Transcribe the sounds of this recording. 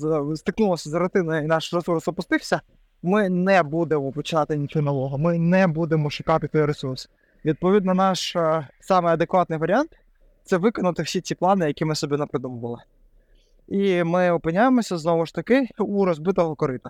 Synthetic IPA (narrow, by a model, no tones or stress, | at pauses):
zst̪ɪknulˠɔsʲɐzɐɾʊt̪ɪnɐjinɑʃɾesuɾsɔpʊst̪ɪwsʲɐ | mɪnɛbud̪emɔpɔt͡ʃɪnɑt̪ɪnʲit̪ʲunɐlˠɔɦʊmɪnɛbud̪emɔʃʊkɑt̪ʲɪt̪ɔjɾesurs | ʋʲid̪̚pɔʋʲid̪nɐnɑʃsɑmɪɐd̪ekʋɑt̪nɪjʋɐɾʲant̪ | t̪sɛʋɪkɔnɐt̪ɪwsʲit͡sʲiplˠɑnɪjɐkʲimɪsɔbʲinɐpɾɪd̪umɔʋɐlˠɪ | imɪɔpɪnʲːajemɔsʲɐznɔʋʊʃt̪ɐkɪuɾɔzbɪt̪ɔɦɔkɔɾɪt̪ɐ